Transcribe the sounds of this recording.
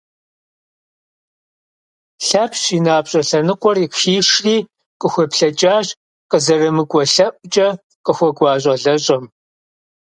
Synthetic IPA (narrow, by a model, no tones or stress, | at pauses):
ɬɐpʰɕiːnaːpɕʼɐɬɐnɨqʷɔrikʃiːʂriː | qəxʷɔpɬɐt͡ʃʼaːʑ | qəzɐrɐmɨkʷʼɔɬɐʔʼt͡ʃʼɐ | qəxʷɔɡʷɑːɕ̬ʼɐɮɐɕʼɐm